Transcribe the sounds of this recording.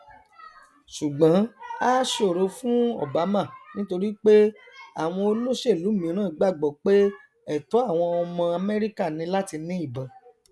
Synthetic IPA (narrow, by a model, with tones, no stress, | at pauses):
ʃu˨ɡ͡bã˨˦a˦ʃe˦o˦˨ɾo˧fũ˦ɔ̰˦˨ba˨˦mã˦˨nĩ˦to˧ɾi˦k͡pe˦ | a˦˨w̃ɔ̃˧o˧lo˦ʃe˦˨lu˨˦˨mĩ˨˦ɾ̃ãː˦˨i˨˧ɡ͡ba˦˨ɡ͡bɔ˨k͡pe˦ | ɛ˦˨to˨˦a˦˨w̃ɔ̃˧ɔ˧mã˧a˧mɛ˦ɾi˦ka˦˨nĩ˧la˦ti˧nĩ˦i˦˨ba˨